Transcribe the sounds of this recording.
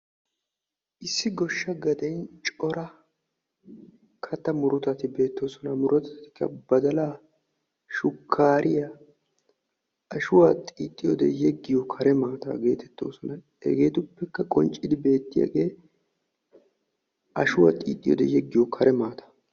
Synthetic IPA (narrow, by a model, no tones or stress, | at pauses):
ʔɪsːɪɡɔʃːɐɡɐd̪ɛjnt͡ʃʼɔɾɐ | kʰɐt̪ːɐmʊɾʊt̪ɐt̪ɪbe̞ːt̪ːo̞ːsɔnɐmʊɾʊt̪ɐt̪ɪ̥kːɐbɐd̪ɐlaː | ʃʊkʰːaːɾʔɪja | ɐʃʊwat̪ʼiːt̪ʼːɪjɔd̪ɛjɛɡːɪjɔkʰɐɾɛmaːt̪a̰ːɡe̞ːt̪ɛt̪ːo̞̰ːsɔnɐ | ɛ̰ɡe̞ːt̪ʊpːɛkːɐkʼɔnt͡ʃʼːɪd̪ɪbe̞ːt̪ːɪja̰ɡeː | ʔɐʃʊwa̰ːt̪ʼḭːt̪ʼːɪjɔ̰d̪ɛjɛɡːɪjɔkʰɐɾʔɛmaːt̪ḁ